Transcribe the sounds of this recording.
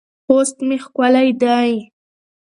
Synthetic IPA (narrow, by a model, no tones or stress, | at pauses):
xost̪mexkwalajd̪aj